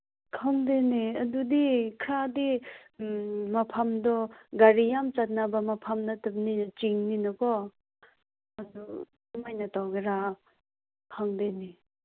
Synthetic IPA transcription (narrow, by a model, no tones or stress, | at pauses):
kʰaŋd̪eneəd̪ud̪ikʰɾad̪i | mapʰamd̪ɔɡaɾijamt͡sat̪̚nabamapʰamnat̪əp̚nint͡ʃiŋninəkɔ | ad̪u | majnat̪aɡeɾa | kʰaŋd̪eni